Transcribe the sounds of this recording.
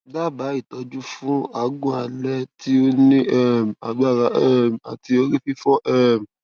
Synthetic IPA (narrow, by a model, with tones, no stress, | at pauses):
ɡ͡ba˦˨ba˨˦i˦˨tɔ˧d͡ʒu˦fũ˨˦a˨˦ɡũ˦a˨lɛ˧tʰi˦o˦nĩ˦ɛ˦˨m˨a˨ɡ͡ba˦˨ɾa˨˦ʔɛ˦˨m˨a̰˨ti˧o˧˦ɾi˦fi˦fɔ˦ʔɛ˦˨m˨